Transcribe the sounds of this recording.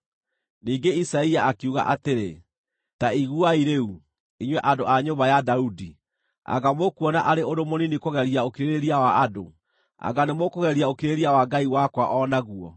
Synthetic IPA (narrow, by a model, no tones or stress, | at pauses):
niːŋɡeisaiaakiuɣa̰ʔateɾe | taiɣuaiɾeu | iɲwɛʔadoaɲoβajadaudi | a̰ɣamokuɔna̰ʔaɾeoɾomoninikoɣɛɾiaokeɾeɾeɾiawaado̰ | a̰ɡanemokoɣɛɾiaokiɾeɾiawaɡaiwakwaʔɔnaɣuɔ̰